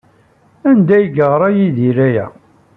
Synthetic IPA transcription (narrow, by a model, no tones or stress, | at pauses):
ænd̪æjɡəʁɾˤɑjiðiɾæjæ̰